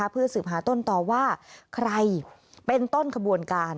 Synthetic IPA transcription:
a˦˥pʰɯ˥˩ɐsɯː˨˩p̚ɦaː˩˦t̪o˥˩nt̪ɔː˨˩waː˥˩kʰɾa˧jpe˧nt̪o˥˩nkʰa˧bu˧ənkaː˧n

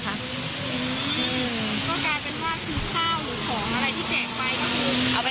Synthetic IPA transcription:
kʰa˦˥ʔ | ʔɯː˧˩˧ʔɯː˧ | kɔː˥˩kaː˧jpe˧nwʰaː˥˩t̪ʰiː˧˩kʰaː˥˩wɾɯː˩˦kʰɔː˩˦ŋʔa˧ɾa˧jt̪ʰiː˥˩seː˨˩t̚wa˦˥jba˨˧˩ʔa˧wa˧

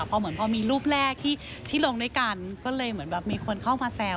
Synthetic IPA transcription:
pʰɔː˧mɯ˩˦ənpʰɔː˧miː˧luː˥˩p̚lɛː˥˩k̚t̪ʰiː˥˩t͡ɕʰiː˥˩lo˧ŋduː˥˩jka˧nkɔː˥˩lɤː˧jmɯ˩˦ənbɛː˨˩p̚miː˧kʰo˧nkʰa˥˩wmaː˧sɛː˧

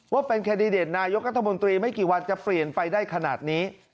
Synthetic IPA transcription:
waː˥˩pe˧nkʰɛː˧ndi˧deː˨˩t̪̚naː˧jo˦˥k̚ɾa˦˥t̪ʰːa˧mo˧nt̪ɾiː˧ma˥˩jkiː˨˩wa˧nt͡ɕa˨˩pli˨˩ənpa˧jdaː˥˩jkʰa˧naː˨˩t̪̚niː˦˥

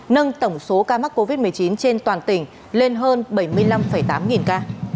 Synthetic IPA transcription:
nə˧nt̪ə˧˩wŋ͡mso˨˦kaː˧ma˦˥k̚kːo˧vi˦˥t̚mɨ˨˩əjt͡ɕi˨˦nt͡ɕe˧nt̪waː˨˩nt̪ï˧˩ŋ̟ | le˧nɦəː˧nɓə˧˩jmɨ˧əjla˧mfə˧˩jt̪aː˨˦mŋi˨˩nkaː˧

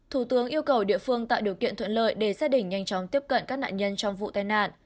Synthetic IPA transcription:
t̪ʰu˧˩t̪ɨ˨˦əŋʔi˧əwkə˨˩wɗḭ˧əfɨ˧əŋt̪a̰ː˧˨wɗi˨˩əwkḭ˧˨ənt̪ʰə̰˧˨nlə̰ː˧˨jɗe˧˩saː˦˥t̚ɗï˧˩ŋ̟ɲa˧jt͡ɕɔ˨˦wŋ͡mt̪i˦˥əp̚kə̰˧˨nkaː˦˥k̚na̰ː˧˨ɲə˧nt͡ɕɔ˧wŋ͡mvṵ˧˨t̪aː˧jna̰ː˧˨nʔ

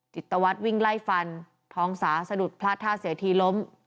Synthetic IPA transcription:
t͡ɕi˨˩t̪ːa˧wa˦˥t̪̚wi˥˩ŋla˥˩jfa˧n | t̪ʰɔː˦˥ŋsaː˩˦sa˧du˨˩t̪̚pʰlaː˥˩t̪ʰːaː˥˩si˩˦t̪ʰiː˧lo˦˥m

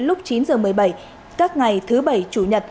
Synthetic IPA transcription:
lʊ˦˥k͡p̚t͡ɕi˨˦nzəː˨˩mɨ˨˩əjɓə˧˩j | kaː˦˥k̚ŋa˨˩jt̪ʰɨ˨˦ɓə˧˩jt͡ɕu˧˩ɲə˨˩t̚

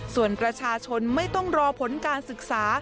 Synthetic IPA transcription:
su˨˩ənpɾa˧t͡ɕʰaː˧t͡ɕʰo˧nma˥˩jt̪ɔ˥˩ŋɾɔː˧pʰo˩˦nkaː˧nsɯ˨˩k̚saː˩˦

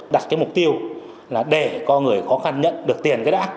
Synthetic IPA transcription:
ɗa˨˩t̚kaː˨˦jmʊ˨˩k͡p̚t̪i˧əw | laː˨˩ɗe˧˩kɔ˧ŋɨ˨˩əjxɔ˨˦xa˧nɲə̰˧˨nɗɨ˨˩ək̚t̪i˨˩ənkaː˨˦jɗa̰ː˨˦˥

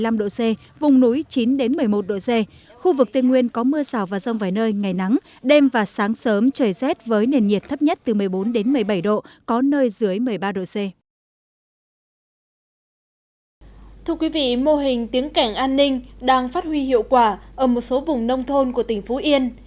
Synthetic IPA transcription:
jla˧mɗo̰˧˨se˧ | vʊ˨˩ŋ͡mnu˨˦jt͡ɕi˨˦nɗe˨˦nmɨ˨˩əjmo˨˩t̚ɗo̰˧˨se˧ | xu˧vɨ˨˩k̚t̪i˧ŋwi˧ənkɔ˨˦mɨ˧əsaː˧˩wvaː˨˩zə˧˩wŋ͡mvaː˨˩jnəː˧jŋa˨˩jna˨˦ŋ | ɗe˧mvaː˨˩saː˨˦ŋsəː˨˦mt͡ɕəː˨˩jzɛ˦˥t̚vəː˨˦jne˨˩nɲi˨˩əp̚t̪ʰə˦˥p̚ɲə˦˥t̚t̪ɨ˨˩mɨ˨˩əjɓo˨˦nɗe˨˦nmɨ˨˩əjɓə˧˩jɗo̰˧˨kɔ˨˦nəː˧jzɨ˨˦əjmɨ˨˩əjɓaː˧ɗo̰˧˨se˧ | t̪ʰɨ˧əkwi˨˦vḭ˧˨mo˧ɦï˨˩ŋ̟t̪i˨˦əŋka˧˩jŋ̟ʔaː˧nːï˧ŋ̟ɗaː˧ŋfaː˦˥t̚hwi˧hḭ˧˨əwkwaː˧˩ʔəː˧˩mo˨˩t̚so˨˦vʊ˨˩ŋ͡mnə˧wŋ͡mt̪ʰo˧nku˧˩ət̪ï˩ŋ̟fu˨˦ʔi˧ən

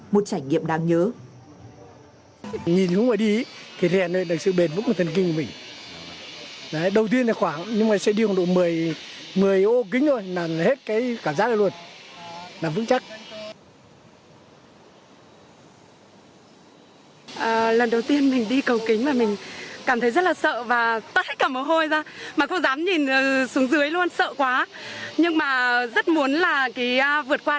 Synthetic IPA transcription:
mo˨˩t̚t͡ɕaː˧˩jɲḭ˧˨əmɗaː˧ŋɲəː˨˦ | ɲi˨˩nhɨ˨˧˦wmaː˨˩ɗi˧˦t̪ʰi˨˩zɛ˨˩nː˨nɗ̚sɨ̰˧˨ɓe˨˩nvɨ̰˧˥km˨˩t̪ʰə˨˩nk̬ï˧ŋku˧˩mï˨˩ŋ̟ | aː˨˦ɗə˨˩wt̪̬i˧ənʰaː˨˩xwaː˧˩ŋɲɨ˧ŋmaː˨˩sɛ̰˧˥ɗi˧kːnɗo̰˧˨mɨ˨˩əj | mɨ˨˩əjʔo˧k̬ï˨˦ŋ̟t̪ʰo˧jnaː˨˩˨he˦˥t̚kaː˨˦jkaː˧˩mzaː˦˥k̚zə˧˩lu˧ə˩n | naː˨˩vɨ̰˧˥ŋt͡ɕa˦˥k̚ | ʔəː˨˩lə˨˩nɗə˨˩wt̪i˧ənmï˨˩ŋ̟ɗi˧kə˨˩wkï˨˦ŋ̟maː˨˩mï˨˩ŋ̟kaː˧˩mt̪ʰə˨˦jzə˦˥t̚laː˨˩sə̰ː˧˨vaː˨˩t̪ə˦˥t̚ʰə˦˥kaː˧˩mo˨˩ɦo˧jzaː˧maː˨˩kʊ̰˧˥ŋ͡mzaː˨˦mɲi˨˩nː˨˩su˨˦əŋzɨ˨˦jlu˧ənsə̰ː˧˨kwaː˨˦ɲɨ˧ŋmaː˨˩zə˦˥t̚mu˨˦ənlaː˨˩kaː˨˦ʔvɨ˨˩ət̚kwaː˧

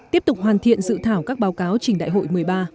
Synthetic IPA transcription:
t̪i˦˥əp̚t̪ʊ˨˩k͡p̚hwaː˨˩nt̪ʰḭ˧˨ənzɨ̰˧˨t̪ʰaː˧˩wkaː˦˥k̚ɓaː˨˦wkaː˨˦wt͡ɕï˨˩ŋ̟ɗa̰ː˧˨jɦho̰˧˨jmɨ˨˩əjɓaː˧

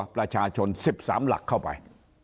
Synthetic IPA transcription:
laː˨˩t͡ɕaː˨˩t͡ɕo˨˧˩nsi˨˧˩p̚za̰ː˨˦mla̰˨˩kxə˧˩ɓa̰˨˩j

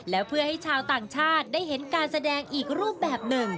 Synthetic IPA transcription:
lɛː˦˥wpʰɯ˥˩əha˥˩jjt͡ɕʰaː˧wt̪aː˨˩ŋt͡ɕʰaː˥˩t̪̚daː˥˩jɦe˩˦nkaː˧nsa˧dɛː˧ŋʔiː˨˩k̚ɾuː˥˩əp̚bɛː˨˩p̚nɯ˨˩ŋ

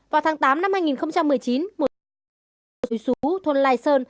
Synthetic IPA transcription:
vaː˨˩wt̪ʰaː˨˦ŋt̪aː˨˦mna˧mhaː˧jŋi˨˩nxə˧wŋ͡mt͡ɕa˧mːɨ˨˩əjt͡ɕi˨˦nmo˨˩t̚ | su˨˦t̪ʰo˧nlaː˧jsəː˧n

